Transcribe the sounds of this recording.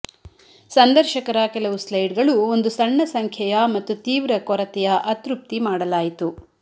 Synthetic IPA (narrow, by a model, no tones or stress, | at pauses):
sɐnd̪ɐɾʃɐkɐɾɐkɛlɐʋuslɐjɖɡɐɭuond̪usɐɳːɐsɐŋkʰjɐjɐmɐt̪ːut̪iːʋɾɐkɔɾɐt̪ɛjɐʔɐt̪ɾup̚t̪imaːɽɐlaːjit̪u